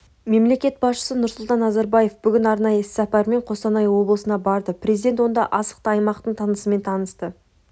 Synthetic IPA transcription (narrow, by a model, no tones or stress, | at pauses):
me̞mle̞kʲe̞t̪̚bɑsʃə̥sənʊɾsʊlˠt̪ɑnːɑzæɾbɑje̞fbʏɡʲɪnɑɾnɑjəɪssæpɑɾme̞ɴqʰo̞st̪ɑnɑjəwo̞blˠəsənɑbɑɾd̪əprʲezijd̪e̞nt̪wo̞nd̪ɑʔɑsə̥q̚t̪əɑjmɑqt̪əɴt̪ʰɑnəsəme̞nt̪ʰɑnəst̪ə